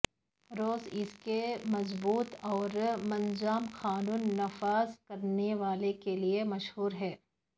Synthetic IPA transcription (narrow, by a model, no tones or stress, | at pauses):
ɾoːzɪskemɐzbuːt̪ɔːɾmɐ̃nd͡ʒaːmxaːnuːnːɐfaːzkɐɾneʋaːlekeliemɐʃhuːɾɦɛː